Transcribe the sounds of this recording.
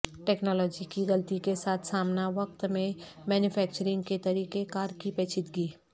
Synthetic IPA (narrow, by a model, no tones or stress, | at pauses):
ʈɛːknɔːlɔːd͡ʒikiɣɐlt̪ikesaːt̪ʰsaːmnaʋɐk̚t̪mẽ | mɛːnjʊfʰɛːk̚t͡ʃəɾɪ̃ŋɡ̚ket̪ɐɾiːkekaːɾkipeːt͡ʃʰɪt̪ɡiː